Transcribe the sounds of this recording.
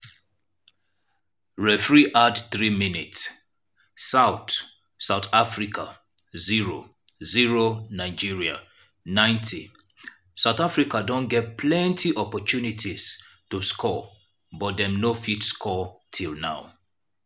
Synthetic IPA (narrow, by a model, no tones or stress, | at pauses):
ɹɛfɹiʔadθɹiminitsː | aʊθ | saʊθafɹikʰa | ziɹo̰ | ziɹonaɪd͡ʒiɹia̰ | nãɪ̃ntʰi | saʊθafɹikadɔ̃nɡɛt̚pʰlɛ̃ntʰiʔɔpɔtʰunitʰiz̥toskʰɔ | bɔt̚dɛ̃mnofitskʰɔtʰilˠnaʊ